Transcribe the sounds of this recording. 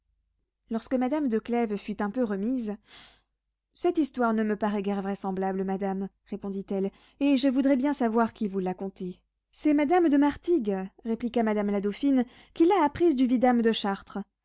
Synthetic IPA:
lɔʁskəmad̪amd̪əklɛvfyt̪ɛ̃pøʁəmiz | sɛt̪ist̪waʁnəməpaʁɛɡɛʁvʁɛsɑ̃blabləmad̪am | ʁepɔ̃d̪it̪ɛl | eʒəvud̪ʁɛbjɛ̃savwaʁkilvulakɔ̃t̪e | sɛmad̪amd̪əmaʁt̪iɡʁeplikamad̪amlad̪ofin | kilaːpχizd̪yvid̪amd̪əʃaʁt̪χə

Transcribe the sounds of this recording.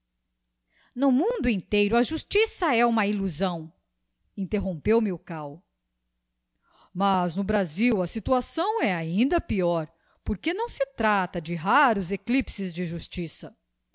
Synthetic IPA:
nʊmũd̪ʊĩnt̪ejɾʊɐʒust͡ʃisɐɛũmɐiluzɐ̃w̃ | ĩnt̪eɦõpewmɪʊkaw | mɐznʊbɾaziwɐsit̪uasɐ̃w̃ɛaĩnd̪ɐpiɔɾ | poɾkenɐ̃w̃sɪt̪ɾat̪ɐd͡ʒɪɦaɾʊzeklipsɪzd͡ʒɪʒust͡ʃisɐ

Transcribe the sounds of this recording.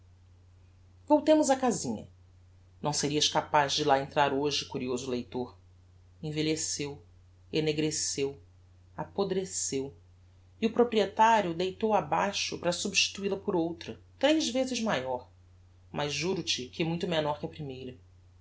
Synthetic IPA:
vowt̪ẽmʊzɐkazĩɲɐ̰ | nɐ̃w̃seɾiɐʃkapazd͡ʒɪlaẽnt̪ɾaɾoʒɪkuɾiozʊlejt̪oɾ | ẽveʎesew | eneɡɾesew | apod̪ɾesew | iʊpɾopɾiet̪aɾjʊd̪ejt̪owabajʃʊpɾɐsubʃt͡ʃi̥t̪uilɐpʊɾowt̪ɾɐ | t̪ɾejzvezɪʒmajɔɾ | mʔɐzːuɾʊt͡ʃɪkɪɛmũj̃t̪ʊmenɔɾkɪɐpɾimejɾɐ

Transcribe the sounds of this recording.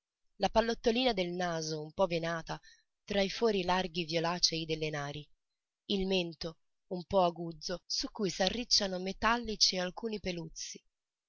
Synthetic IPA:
lapalːot̪ːoliːnad̪elnaːzoumpɔvenaːt̪a | t̪ɾaifɔːɾilarɡivjolaːt͡ʃeid̪elːenaːɾi | ilment̪o | umpɔaɡuːd̪zːosukːujsarːit͡ʃːanomet̪alːit͡ʃialkuːnipelut̪sːi̥

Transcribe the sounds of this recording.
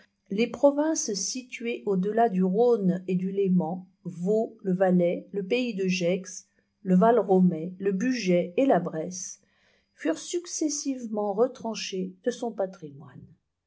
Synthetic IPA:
lepχɔvɛ̃ssit̪ɥeʔod̪əlad̪yʁoned̪ylemɑ̃ | voləvalɛləpeid̪əʒɛks | ləvalʁɔmɛləbyʒɛelabʁɛs | fyʁsyksɛsivmɑ̃ʁət̪χɑ̃ʃed̪̥əsɔ̃pat̪χimwan

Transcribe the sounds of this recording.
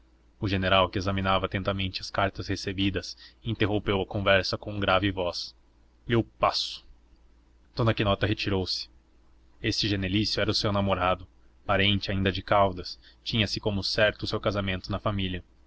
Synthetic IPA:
ʊʒeneɾawkɪezɐmĩnavɐat̪ẽnt̪ɐmẽnt͡ʃɪɐskaɾt̪ɐshesebid̪ɐsĩnt̪eɦõpewɐkõvɛɾsɐkõũɡɾavɪvɔs | lwpasʊ̥ | t̪õd̪ɐkɪnɔt̪ɐɦet͡ʃiɾowsɪ̥ | est͡ʃɪʒenelisjʊɛɾɐʊsewnamoɾad̪ʊ | paɾẽnt͡ʃɪaĩnd̪ɐd͡ʒɪkawd̪ɐst͡ʃĩɲɐsɪkõmʊsɛɾt̪ʊːsewkazamẽnt̪ʊnɐfamiliɐ

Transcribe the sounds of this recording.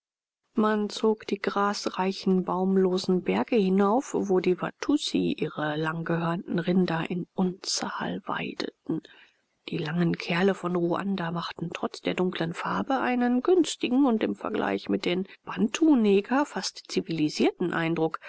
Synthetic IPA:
mant͡soːkd̥iːɡʁaːsʁaɪçn̩baʊmloːzn̩bɛɐɡəhɪnaʊfvoːdiːva̰tʰusḭʔiːʁəlaŋɡəɦøɐntn̩ʁɪndɐʔɪnʔʊnt͡saːlva̰ɪdə̰tn̩ | d̥iːlaŋənkʰɛɐləfɔnʁuʔa̰ndamaχtn̩tʁ̥ɔt͡sd̥eːɐdʊŋklənfaɐbəʔaɪnənɡʏnstɪɡŋ̩ʊntɪmfɛɐɡlʔa̰ɪçmɪt̚d̥enb̥antʰunɛːɡɐfastt͡siviliziːɐtn̩ʔa̰ɪ̃ndʁʊk

